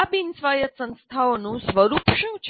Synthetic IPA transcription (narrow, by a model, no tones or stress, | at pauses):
abinsʋajət̪sə̃nst̪ʰaonũsʋəɾupʃũt͡ʃʰ